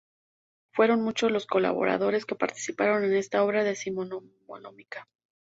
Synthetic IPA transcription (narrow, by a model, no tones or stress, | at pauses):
fwe̞ɾo̞nmut͡ʃozlo̞sko̞la̰β̞o̞̰ɾa̰ðo̞ɾe̞ske̞paɾt̪i̥sipaɾo̞ne̞ne̞st̪ao̞βɾaðe̞simomo̰nomikḁ